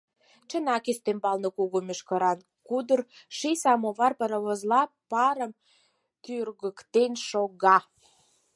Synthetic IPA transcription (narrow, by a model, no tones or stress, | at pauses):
t͡ʃənɑkest̪embɑlnəkuɣomʲeʃkə̆ɾɑn | kud̪ərʃisɑmoβɑrpəɾəβozlɑpɑɾəm | t̪yrɣəkt̪enʃoɣɑ